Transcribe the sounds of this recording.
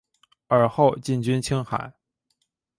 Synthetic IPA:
ə˞˨˩xo˥˧ʊt͡ɕi˥˩nt͡ɕy˥nt͡ɕʰi˥ŋxa̰˨˩˦ɪ

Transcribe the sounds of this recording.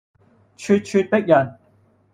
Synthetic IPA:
t͡ʃʰyː˥˧t̚t͡ʃʰyː˧t̚t̪ɪ˥k̚jɐ˨˩n

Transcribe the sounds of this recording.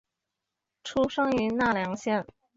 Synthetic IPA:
ʈ͡ʂʰu˥ʂɤ˥ŋy˧˥na˥˩ljɑ˧˥ŋɕjɛ˥˩n

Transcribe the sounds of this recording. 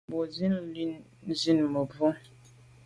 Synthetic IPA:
bo˨zi˦n˦li˦n˦ | zi˦nmə˨bo˦

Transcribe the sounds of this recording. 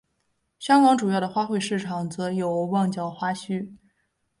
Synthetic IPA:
ɕjɑ˥ŋkɑ˧˥ŋʈ͡ʂu˨˩jɑ˥˩ʊd̪ə˩xwa˥xwe˥˧ɪʂɻ̩˥˩ʈ͡ʂʰɑ˨˩ŋt͡sɤ˧˥jo˨˩ʊwɑ˥˧ŋt͡ɕjɑ˥˩ʊxwa˥ɕy˥

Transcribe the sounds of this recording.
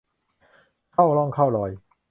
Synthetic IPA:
kʰa˥˩wlɔ˥˩ŋkʰa˥˩wlɔː˧˩j

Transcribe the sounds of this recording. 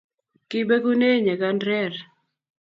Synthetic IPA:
kɪ˦be˦ɡu˦ne˦ɲe˨ɡa˦ndɾɛ˦˨ɾ

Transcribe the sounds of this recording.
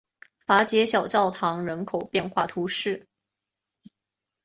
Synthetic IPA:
fa˧˥t͡ɕjɛ˧˥ɕjɑ˨˩ʊt͡ɕɑ˥˩ʊt̪ʰɑ˧˥ŋɻə˧˥nkʰo˨˩ʊpjɛ˥˧nxwa˥˩t̪ʰu˧˥ʂɻ̩˥˩

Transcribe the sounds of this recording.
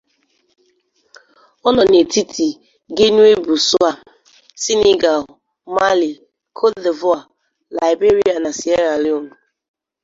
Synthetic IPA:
ɔ˦nɔ˨ne˨ti˦tʰi˨ | ɡe˦nu˦e˦bu˨sʊ˦a˨ | si˦ne˦ɡa˨l | ma˦li˨ | kʰo˦de˨vʊ˦a˨ | la˨ɪ˨be˦ɾi˦a˨na˨si˨e˦ɾa˨lɪ˦o˦nu˨

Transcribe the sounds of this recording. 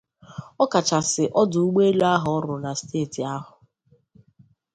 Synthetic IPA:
ɔ˦ka˨t͡ʃa˨sɪ˨ʔɔ˦dʊ˨u˦ɡ͡be˦la˦ɦɔ˨ɔ˦ɾʊ˨na˨steː˦˨ti˨a˦ɦʊ˨

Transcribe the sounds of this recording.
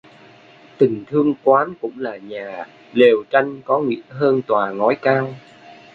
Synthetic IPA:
t̪ï˨˩ŋ̟t̪ʰɨ˧əŋkwaː˨˦nkʊ̰˧˥ŋ͡mlaː˨˩ɲaː˨˩ | le˨˩wt͡ɕa˧jŋ̟kɔ˨˦ŋḭ˧˥əɦəː˧nt̪waː˨˩ŋɔ˨˦jkaː˧w

